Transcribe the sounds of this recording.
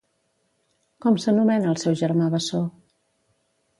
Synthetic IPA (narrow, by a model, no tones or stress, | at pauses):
kɔmsənumɛnəːlˠsɛwʒəɾmaβəso